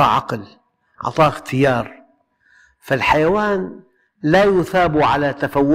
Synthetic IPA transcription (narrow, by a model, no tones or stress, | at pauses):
ɑʕɑ̰ql | ʕɑ̰t̪ˤɑːxt̪ʰɪjɑːɾˤ | falħajawaːn | lajʊθaːbuʕa̰lat̪afawːʊ